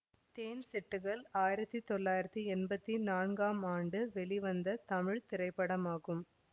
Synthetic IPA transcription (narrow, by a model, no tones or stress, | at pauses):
t̪eːnsɛʈːɯɣɐɭaːjɪɾɐt̪ːit̪ɔɭːaːjɪɾɐt̪ːiɛnbɐt̪ːinaːnɡaːmaːɳɖɯʋɛɭiʋɐnd̪ɐt̪ɐmɪɻt̪ɪɾɐɪpːɐɽɐmaːɣɯm